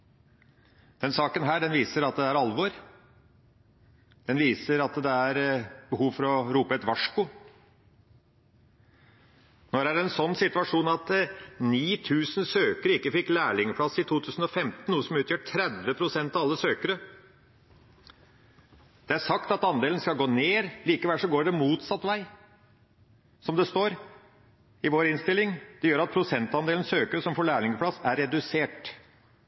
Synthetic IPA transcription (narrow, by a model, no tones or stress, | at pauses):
d̪̥ɛnsɑːkənɦæːɖɛnʋiːsəɾɑt̪̚d̪ɛæɾɑlʋɔːɾ | d̪̥ɛnʋiːsəɾɑt̪d̪ɛæɾb̥əhuːʋfɔɾɔɾuːpəɛt̪ʋɑʂkʊ | nɔɖæɾɛnsɔnːsɪt̪ʉʋɑʂuːnɑt̪niːt̪ʰʉːsn̩søːkəɾəɪkːəfɪkːlæːɭɪŋəpʰɽɑsɪt̪ʰuːt̪ʰʉːsn̩ɔfɛmt̪n̩uːəsɔmʉːt̪jøːʈʰɾɛd̪ʋəpʰɾʊsɛnt̪ɑʋɑlːəsøːkəɾə | d̪̥ɛæʂɑkt̪ɑt̪ɑnd̪eːln̩skɑlɡoːneːɾliːkəʋɛlʂɔɡoːɖɛmuːt̪sɑt̪ːʋæɪ | sɔmd̪ɛst̪oːɾ | ɪʋoːɾɪnst̪ɪlːɪŋd̪̥ɛjøːɾɑt̪̚pʰɾʊsɛnt̪ɑnd̪eːln̩søːkəɾəsɔmfɔɭæːɭɪŋəplɑsːæɾːɛd̪ʉseːʈ